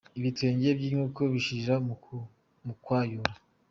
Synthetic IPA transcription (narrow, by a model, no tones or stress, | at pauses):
iβitweːɲɟebɟiːŋuːko̞βiʃiɾa | mukwaːjoɾa